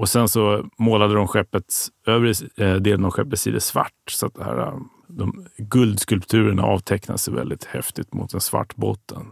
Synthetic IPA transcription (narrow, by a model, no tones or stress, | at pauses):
ɔsɛnsɔmoːlad̪əd̪ɔmɧɛpːət̪øːvɾəd̪eːlnɔmɧɛp̪ːəsḭːd̪əsva̰ʈːsat̪̚d̪ɛhæ̰ːɾa̰ | d̪ɔmɡɵld̪skɵlpt̪ʰʉ̟ːɾəɳa̰ʔɑːvt̪ʰɛkna̰d̪əsɛvɛ̰ld̪ɪt̪hɛft̪ɪt̪mʊt̪̚d̪ɛnsva̰ʈːboːt̪ʰːən